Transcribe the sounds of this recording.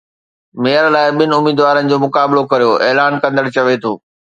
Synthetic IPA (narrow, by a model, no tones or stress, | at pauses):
meːəɾlaːɪɓɪnɪ̆ʊmiːd̪ʋaːɾənɪ̆d͡ʑoːmʊkaːblokɐɾijoʔeːlaːnkɐ̃nd̪əɽt͡ɕɐʋet̪ʰoː